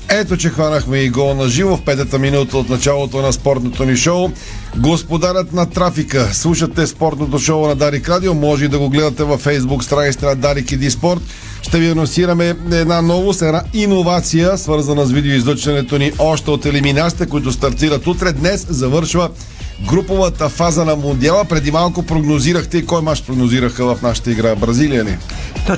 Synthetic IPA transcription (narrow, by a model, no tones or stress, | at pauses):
ɛt̪ot͡ʃɛxvanɐxmɛiɡɔnɐʒivofpɛt̪ət̪əminut̪əot̪nɐt͡ʃalˠot̪onɐspɔɾt̪not̪oniʃɔʊ | ɡospod̪aɾət̪nɐt̪ɾafikəslˠuʃɐt̪ɛspɔɾt̪not̪oʃoʊnɐd̪aɾikɾad̪iomɔʒɛid̪ɐɡoɡlɛd̪ɐt̪ɛvɐfɛjzbukst̪ɾanit̪si̥t̪ɛnɐd̪aɾikid̪ispɔɾt̪ | ʃt̪ɛviɐnonsiɾɐmɛɛd̪nanɔvost̪ɛnainovat̪sijəsvəɾzɐnɐsvid̪ɛoizlˠət͡ʃvɐnɛt̪oniʔɔʃt̪ɛot̪ɛlɛminasi̥t̪ɛkoit̪ʊst̪ɐɾt̪iɾɐt̪ut̪ɾɛd̪nɛszɐvɤɾʃvə | ɡɾupovət̪əfazənɐmond̪ialˠəpɾɛd̪imalˠkopɾoɡnoziɾəxt̪ɛikɔjmaʃpɾoɡnoziɾəxəvɐfnaʃə̥t̪əiɡɾabɾɐzilijənḭ